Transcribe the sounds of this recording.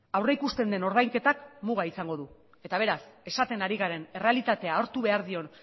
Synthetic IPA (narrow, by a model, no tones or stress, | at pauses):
awreikust̪e̞nd̪e̞no̞ɾðajŋke̞t̪akmuɣ̞aisaŋɡo̞ðu | e̞t̪aβ̞e̞ɾase̞sat̪e̞naɾiɣaɾe̞ne̞re̞alit̪at̪e̞ao̞ɾt̪uβe̞aɾðio̞n